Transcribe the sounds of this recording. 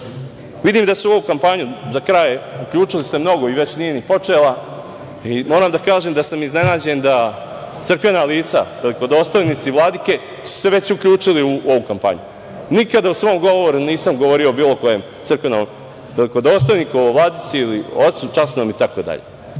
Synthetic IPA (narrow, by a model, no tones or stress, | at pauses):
ʋid̪iːmd̪asuo̞ʋukampaɲuzakɾajeukʎuːt͡ʂilise̞mno̞ɡo̞iʋe̞t͡ɕnije̞nipo̞t͡ʂela | imoːɾaːmd̪akaːʒemd̪asamizne̞naːd͡ʑe̞nd̪a | t̪sɨr̩kʋe̞naliːt̪saʋeliko̞d̪o̞ːst̪ojnit̪siʋlˠad̪ike̞ | su̥se̞ʋe̞t͡ɕukʎuːt͡ʂiliuo̞ʋukampa̰ɲṵ | nikad̪ausʋo̞ːmɡo̞ʋoʋoɾuniːsamɡoʋo̞ɾio̞ːbiːlˠoko̞jemt̪sɨr̩kʋe̞no̰m | ʋe̞liko̞d̪oːst̪ojnikuʋlˠad̪it̪siiliot̪sut͡ʃasnoːmit̪ako̞d̪a̰ʎḛ